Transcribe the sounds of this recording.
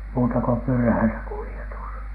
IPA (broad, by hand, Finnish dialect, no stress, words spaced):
muːtɑ ko pyrhæisæ kulietus